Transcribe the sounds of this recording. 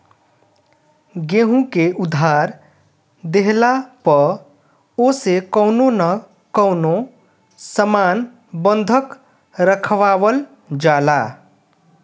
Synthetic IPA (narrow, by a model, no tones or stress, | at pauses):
ɡẽɦũkeʔud̪ʱaɾ | d̪eɦlapə | osekəʊnonə | kəʊno | səman | bənd̪ʱək | ɾəkʰʋawəl | d͡ʒala